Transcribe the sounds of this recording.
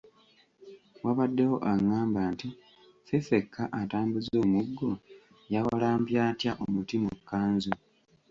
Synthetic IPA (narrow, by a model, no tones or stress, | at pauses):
waβadːe̞wo̞ʔaŋːaːmbaːnti | fefe̞kːaʔataːmbuzo̞ːmuɡːo | jawalaːmpjaːtjaʔomutimukːaːnzu